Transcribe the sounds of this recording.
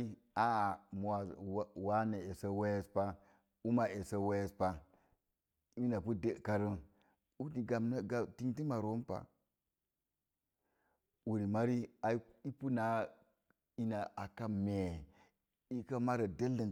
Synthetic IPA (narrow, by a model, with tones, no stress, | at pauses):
i˦ | a˦a˨m˨a˨˦wa˦na˨e˨sa˦we˦je˦spa˦ | u˦ma˨ʔe˨sa˦we˦je˦spa˦ | i˦na˨pu˦de˦˨ka˨ɾə˦ | u˦di˨ɡa˨n˦ɡa˦ti˦ŋti˦ma˨ɾo˦mpa̰˨ | u˨ɾi˨ma˦ɾi˦a˨˦i˦pu˦na˨˦ | i˦na˨ʔa˨ka˦me˨ | i˦ka˦ma˦ɾa˨de˦lːə˨n